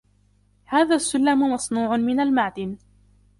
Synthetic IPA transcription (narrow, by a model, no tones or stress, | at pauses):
haːðaːsːʊlːamʊmɑsnuːʕʊmɪnalmaʕd̪ɪn